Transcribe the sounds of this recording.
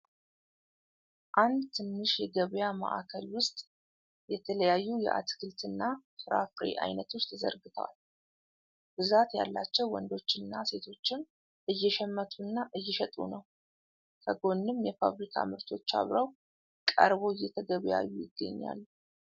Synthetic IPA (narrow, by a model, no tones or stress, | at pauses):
ʔand̪t̪ʰɨnːɨʃjɛɡəβjama̰ʔakʰəlwʊst̪ʼ | jɛt̪ʰələjajːujɛ̰ʔa̰t̪kʰɨlt̪ʰɨnːafɾa̰fɾḛʔa̰jnət̪ʰo̞t͡ʃːt̪ʰəzə̰ɾɡɨt̪ʰəwa̰l | b̥ɨzat̪ja̰lːat͡ʃːɛwːɔnd̪o̞t͡ʃːɪnːase̞t̪ʰo̞t͡ʃːɪn | ʔɨjːɛʃɛmːət̪ʰʼunːaʔɨjːɛʃɛt̪ʼṵnəw | kʰəɡo̞nːɨmːjɛfaβɾikʰa̰mɨɾt̪ʰo̞t͡ʃːa̰βɾəw | kʼə̰ɾβo̞ɨjːɛt̪ʰəɡəβja̰jːujɪɡːə̰ɲːa̰lː